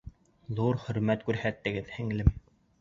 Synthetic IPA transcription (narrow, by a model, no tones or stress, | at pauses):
ðuɾχɵ̆ɾmæt̪kʉɾhæt̪ːɘ̆ɡɘðhɘ̆ŋlɘm